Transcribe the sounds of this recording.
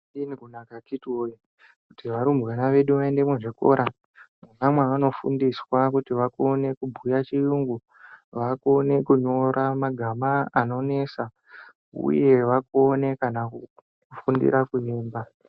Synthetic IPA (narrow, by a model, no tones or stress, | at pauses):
inikunakakitoji | kutiʋaɾumbanaʋe̞ɗuʋae̞nde̞muʐiko̞̰ɾʔa | munamwaano̞fṵndiswakutiʋakone̞kubʱujat͡ʃijuŋɡu | ʋakone̞kuɲo̞ɾamaɡʱamaano̞ne̞sa | ṵje̞ʋakone̞kanaku | ufundḭɾakuɲeːmba